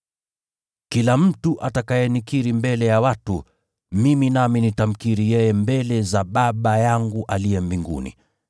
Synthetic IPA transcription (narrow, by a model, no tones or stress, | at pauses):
kilam̩tuʔatakajɛnikiɾimbɛlɛjawatu | miminaminitam̩kiɾijɛjɛmbɛlɛzaɓaɓajaŋɡuʔalijɛmbiŋɡṵnḭ